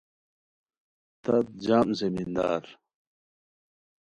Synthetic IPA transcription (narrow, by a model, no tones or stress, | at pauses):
t̪ɐt̪̚d͡ʑaːmzemind̪a̰ːɾ